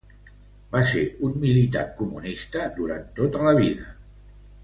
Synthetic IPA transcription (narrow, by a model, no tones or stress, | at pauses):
baseunmilit̪a̰kumunist̪əd̪uɾant̪ot̪ələβiðə